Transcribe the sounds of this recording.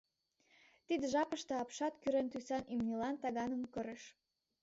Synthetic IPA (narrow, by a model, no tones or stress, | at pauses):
t̪id̪əʒɑpəʃt̪ɤ̆ɑpʃɑt̪kyɾent̪ysɑnimnʲelɑnt̪ɑɣɑnə̆mkə̆ɾeʃ